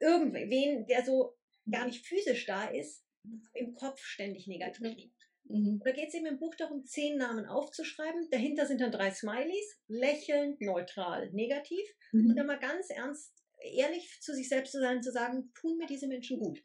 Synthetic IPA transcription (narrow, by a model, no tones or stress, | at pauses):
ʔɪɐɡŋ̩tvveːndeːɐzoː | ɡ̥aːɐnɪçtfyːzɪʃd̥aːʔɪst | ɪmkʰɔp͡fʃtɛndɪçneːɡatʰiːfliː | nd̥aːɡeːtsʔeːbm̩ɪmbuːxd̥aʁʊmt͡seːnːaːmənʔa̰ʊft͡suʃʁ̥aɪbm̩d̥aɦɪntɐzɪnt̚d̥andʁaɪsmaɪlislɛçl̩ntnɔʏtʁ̥a̰ːlneːɡatʰiːf | ʊʊʊnt̚d̥anmaːlɡant͡sʔɛ̰ɐnst | ʔḛːɐlɪçt͡suzɪçz̥ɛlpstt͡suzaɪnʊntt͡suzaːɡŋ̩tʰuːnmiːɐdiːzəmɛnʃn̩ɡuːt